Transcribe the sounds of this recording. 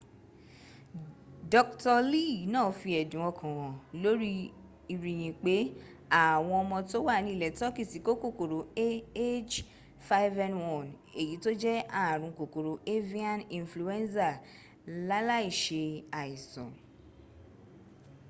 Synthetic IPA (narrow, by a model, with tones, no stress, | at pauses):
dɔ˧k̚tɔ˧li˦˨nãː˦˨fi˧ɛ˨dũ˨˦ɔ̃˧kʰã˨wɔ̃˨lo˦ɾi˦ | i˨ɾi˨j̃ĩ˨k͡pe˨˦ | a˦˨w̃ɔ̃˧ɔ˧mɔ̃˧to˦wa˦˨nĩ˧˦˨lɛ˨˦tɔ˦ki˦˨si˨˦ko˦ko˦˨ko˨ɾo˨˦e˦e˦d͡ʒ | fa˦i˦vɛ˧nwɔ̃˨n | e˨ji˨˦to˦d͡ʒɛ˦a˦˨ɾ̃ũ˧ko˨ko˨ɾo˨˦ʔe˦vi˦a˦nĩ˧nflu˨ɛ˦nsa˦˨ | la˦la˦i˦˨ʃe˧a˨i˨sɔ̰̃˨